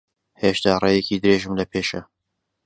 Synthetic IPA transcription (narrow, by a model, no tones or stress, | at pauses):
heʃt̪aːrejɛkiːd̪ɨɾeːʒɨmlɐpʰeːʃɐ